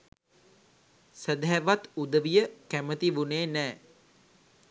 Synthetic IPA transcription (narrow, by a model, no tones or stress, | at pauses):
səd̪ɦɛʋat̪ud̪əʋijəkæmət̪iʋuneːnɛː